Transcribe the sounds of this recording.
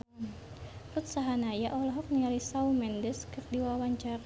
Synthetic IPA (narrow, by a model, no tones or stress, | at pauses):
rut̪saɦanajaʔɔlɔɦɔk̚niŋalisaumɛndɛskɨrdiwawaɲt͡ʃara